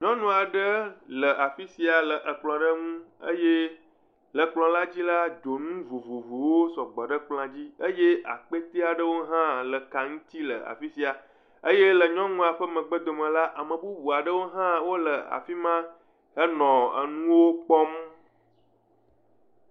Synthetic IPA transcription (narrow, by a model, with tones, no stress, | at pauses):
ɲɔ̃˦nũ˨a˨ɖə˦lə˨ʔa˨fi˦si˨a˨lə˨ʔə˨k͡plɔ̃˨ɖə˦ŋũ˦ə̰˦je˦ | lə˨k͡plɔ̃˨la˦d͡ʑi˦la˦d͡ʒo˨nũ˦vo˨vo˨vu˨wo˦sɔ˨ɡ͡bɔ˨ɖə˦k͡pl̃ã˨d͡ʑi˦ə˦je˦ʔa̰˨k͡pe˦t̪e˦a˨ɖə˦wo˦ɦã˦lə˨ka˨ŋũ˦t̪i˦lə̰˨a̰˨fi˦si˦a˨ | ə˦je˦lə˨ɲɔ̃˦nũ˦a˨ɸə˦mə̃˨ɡ͡bə˦d̪o˨mə̃˨la˦ʔa˨mə̃˨bu˦bu˨a˨ɖə˦wo˦ɦã˦wo˦lə˨a̰˨fi˦mã˦ | ə˦nɔ̃˨ə̰˨nũ˦wo˦k͡pɔ˦m